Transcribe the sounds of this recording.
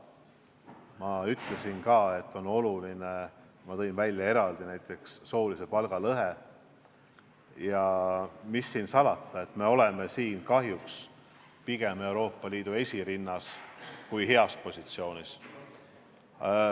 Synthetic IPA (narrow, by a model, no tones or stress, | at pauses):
mɑyt̪le̞sinkɑːe̞t̪ːˑo̞no̞luline | mɑt̪ɤinvælʲjɑe̞ɾɑld̪̥inæjt̪ːˑe̞ksːo̞ːlise̞pɑlɡ̥ɑlɤɦe | jɑmisːiːnsɑlɑt̪ːˑɑe̞t̪ːˑme̞o̞le̞me̞siːnkɑɦjuks | piɡ̥e̞me̞wɾo̞ːpːɑliːd̪̥ue̞sʲiɾinːɑskujɦe̞ɑspo̞sʲit̪sio̞ːnis